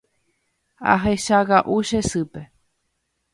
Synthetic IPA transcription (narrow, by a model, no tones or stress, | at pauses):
a̰ɦeʃaɣaʔuʃesɨpe